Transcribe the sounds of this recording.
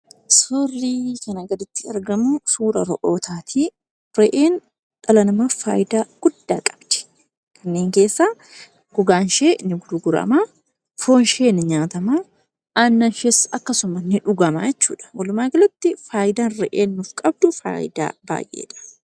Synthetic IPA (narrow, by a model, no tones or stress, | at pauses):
sʊrːiːkɐnɐɡɐd̪ɪt̪ːɪɐ̰ɾɡɐmʊsuːɾɐɾɔʔoːt̪ʰaːt̪ʰi | ɾɛʔeːn | ᶑɐlɐnɐmafa̰ːjɪd̪aːɡ̥ʊd̪ːaːkʼɐ̥bd̪̥ɛ̥ | kʰɐnːe̞ːŋke̞ːsːaː | ɡ̥ʊɡaːnʃeːnɪɡʊd̪ʊɡʊɾɐ̰maː | foːnʃeːnɪɲaːt̪ɐmaː | ʔanːɐnʃɛsɐkːɐsʊmɐnɪᶑʊɡɐma̰jɛt͡ʃːṵːᶑɐ̥wɐlʊmaːɡɪlʊt̪ːɪfaːjd̪aːnrɛʔeːnːʊfkʼɐb̚d̪ʊfa̰ːjɪd̪a̰ːba̰ːjʔḛːᶑɐ̥